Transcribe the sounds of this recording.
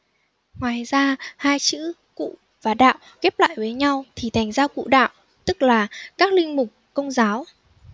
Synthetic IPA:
ŋwaː˨˩jzaː˧haː˧jt͡ɕɨ̰˧˥ | kṵ˧˨ | vaː˨˩ɗa̰ː˧˨w | kɛ˦˥p̚la̰ː˧˨jvəː˨˦jɲa˧wt̪ʰi˨˩t̪ʰa˨˩jŋ̟zaː˧kṵ˧˨ɗa̰ː˧˨w | t̪ɨ˦˥k̚laː˨˩kaː˦˥k̚lï˧ŋ̟mʊ˨˩k͡p̚kə˧wŋ͡mzaː˨˦w

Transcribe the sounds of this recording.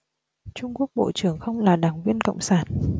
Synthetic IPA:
t͡ɕʊ˧ŋ͡mku˦˥ək̚ɓo̰˧˨t͡ɕɨ˧˩əŋxə˧wŋ͡mlaː˨˩ɗaː˨˩ŋvi˧ənkə̰˧˨wŋ͡msaː˧˩n

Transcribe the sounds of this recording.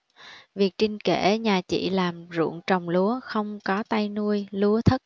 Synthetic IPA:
vi˨˩ək̚t͡ɕï˧ŋ̟ke˧˩ɲaː˨˩t͡ɕḭ˧˨laː˨˩mzṵ˧˩əŋt͡ɕə˨˩wŋ͡mlu˨˦əxə˧wŋ͡mkɔ˨˦t̪a˧jnu˧əjlu˨˦ət̪ʰə˦˥t̚

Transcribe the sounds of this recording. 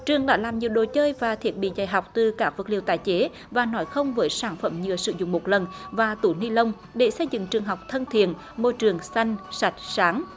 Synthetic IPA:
t͡ɕɨ˨˩əŋɗa̰ː˧˥laː˨˩mɲi˨˩əwɗo˨˩t͡ɕəː˧jvaː˨˩t̪ʰi˦˥ət̚ɓḭ˧˨zaː˨˩jɦa˨˩wk͡p̚t̪ɨ˨˩kaː˦˥k̚və˨˩t̚lḭ˧˨wt̪aː˧˨˩jt͡ɕe˨˦ | vaː˨˩nɔ˨˦jxə˧wŋ͡mvəː˨˦jsaː˧˩nfə˧˩mɲɨ˧˨əsɨ̰˧˩zʊ̰˧˨ŋ͡mmo˨˩t̚lə˨˩nvaː˨˩t̪u˧˩ni˧lə˧wŋ͡m | ɗe˧˩sə˧jzɨ̰˧˨ŋt͡ɕɨ˨˩əŋɦa˨˩wk͡p̚t̪ʰə˧nt̪ʰḭ˧˨ən | mo˧jt͡ɕɨ˨˩əŋsa˧jŋ̟sa˨˥jt̟̚saː˨˦ŋ

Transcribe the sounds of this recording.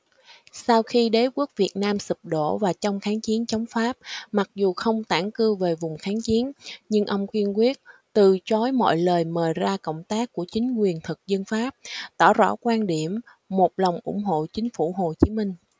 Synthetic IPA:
sa˧wxi˧ɗe˨˦ku˦˥ək̚vi˨˩ət̚naː˧msɨ˨˩p̚ɗo̰˧˨vaː˨˩t͡ɕɔ˧wŋ͡mxaː˨˦ŋt͡ɕi˨˦ənt͡ɕɔ˨˦wŋ͡mfaː˦˥p̚ma˨˩k̚zu˨˩xə˧wŋ͡mt̪aː˧˩ŋkɨ˧ve˨˩vʊ˨˩ŋ͡mxaː˨˦ŋt͡ɕi˨˦ənɲɨ˧ŋʔə˧wŋ͡mkwi˧ənkwi˦˥ət̚t̪ɨ˨˩t͡ɕɔ˨˦jmɔ̰˧˨jləː˨˩jməː˨˩jzaː˧kə̰˧˨wŋ͡mt̪aː˦˥kːu˧˩ət͡ɕï˨˦ŋ̟kwi˨˩ənt̪ʰɨ˨˩k̚zə˧nfaː˦˥p̚t̪ɔ˧˩zɔ̰˧˩kwaː˧nɗi˧˩əmː | o˨˩t̚lə˨˩wŋ͡mʔʊ̰˧˩ŋ͡mɦo̰˧˨t͡ɕï˨˦ŋ̟fu˧˩ɦo˨˩t͡ɕi˨˦mï˧ŋ̟

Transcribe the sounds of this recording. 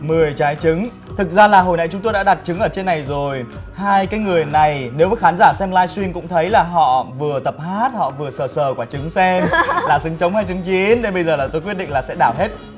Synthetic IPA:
mɨ˨˩əjt͡ɕaː˨˦jt͡ɕɨ˨˦ŋ | t̪ʰɨ˨˩k̚zaː˧laː˨˩ɦo˨˩jna̰˧˨jt͡ɕʊ˨˦ŋ͡mt̪o˧jɗa̰ː˧˥ɗa˨˩t̚t͡ɕɨ˨˦ŋʔəː˧˩t͡ɕe˧nːa˨˩jzo˨˩j | haː˧jkaː˨˦jŋɨ˨˩əjna˨˩jne˨˦wa˨˩xaː˨˦nzaː˧˩sɛ˧mlaː˧jswi˧nkʊ̰˧˥ŋ͡mt̪ʰə˨˦jlaː˨˩ɦɔ̰˧˨vɨ˨˩ət̪ə˨˩p̚haː˦˥t̚hɔ̰˧˨vɨ˨˩əsəː˨˩səː˨˩kwaː˧˩t͡ɕɨ˨˦ŋsɛ˧mlaː˨˩sɨ˨˦ŋt͡ɕə˨˦wŋ͡mhaː˧jt͡ɕɨ˨˦ŋt͡ɕi˨˦nɗe˨˧˦ɓə˧jzəː˨˩laː˨˩t̪o˧jkwi˦˥ət̚ɗḭ˧ŋlaː˨˩sɛ̰˧˥ɗaː˧˩wɦe˦˥t̚

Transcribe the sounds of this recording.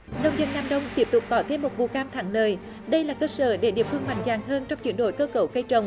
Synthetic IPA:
nə˧wŋ͡mzə˧nːaː˧mɗə˧wŋ͡mt̪i˦˥əp̚t̪ʊ˨˩k͡p̚kɔ˨˦t̪ʰe˧mːo˨˩t̚vṵ˧˨kaː˧mt̪ʰa̰ː˧˩ŋləː˨˩j | ɗə˧jlaː˨˩kəː˧sə̰ː˧˩ɗe˧˩ɗḭ˧˨˩əfɨ˧əŋma̰˧˨˩jŋ̟zaː˨˩ŋɦəː˧nt͡ɕɔ˧wŋ͡mt͡ɕwḭ˧˩ənɗo̰˧˨˩jkəː˧kə˧˩wkə˧jt͡ɕə˨˧˩wŋ͡m

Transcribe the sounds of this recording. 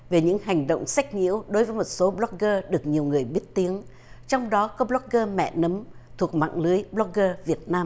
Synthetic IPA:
ve˨˩ɲɨ̰˧˥ŋɦa˨˩ŋ̟ɗo̰˧˨wŋ͡msa˦˥jk̟̚ɲḭ˧˥əwɗo˨˦jvə˨˦jmo˨˩t̚so˨˦ɓlɔ˦˥k̚ɣəː˧ɗɨ˨˩ək̚ɲi˨˩əwŋɨ˨˩əjɓi˦˥ət̚t̪i˨˦əŋ | t͡ɕɔ˧wŋ͡mɗɔ˨˦kɔ˨˦blɔ˦˥k̚ɣəː˧mɛ̰˧˨nə˨˦mt̪ʰu˨˩ək̚ma̰ː˧˨ŋlɨ˨˦əjɓlɔ˦˥k̚ɣəː˧vi˨˩ət̚naː˧m

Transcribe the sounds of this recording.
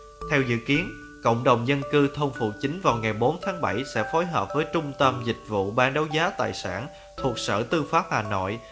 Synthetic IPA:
t̪ʰɛ˧wzɨ̰˧˨ki˨˦ən | kə̰˧˨wŋ͡mɗə˨˩wŋ͡mzə˧nkɨ˧t̪ʰə˧wŋ͡mfṵ˧˨t͡ɕï˨˦ŋ̟vaː˨˩wŋa˨˩jɓo˨˦nt̪ʰaː˨˦ŋɓə˧˩jsɛ̰˧˥fo˨˦jɦəː˨˩p̚vəː˨˦jt͡ɕʊ˧ŋ͡mt̪ə˧mzï˨˩k̟̚vṵ˧˨ɓaː˧nɗə˨˦wzaː˨˦t̪a̰ː˧˨jsa̰ː˧˩n | t̪ʰu˨˩ək̚sə̰ː˧˩t̪ɨ˧faː˦˥p̚haː˨˩no̰˧˨j

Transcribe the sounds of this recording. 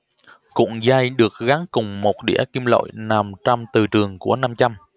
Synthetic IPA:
kʊ̰˧˩ŋ͡mzaː˧jɗɨ˨˩ək̚ɣa˨˦ŋkʊ˨˩ŋ͡mmo˨˩t̚ɗḭ˧˩əki˧mlo̰˧˨jna˨˩mt͡ɕa˧mt̪ɨ˨˩t͡ɕɨ˨˩əŋku˧˩əna˧mt͡ɕa˧m

